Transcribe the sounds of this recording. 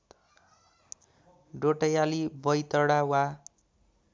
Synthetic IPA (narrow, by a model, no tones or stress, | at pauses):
ɖoʈʌjalibʌjt̪ʌɽawa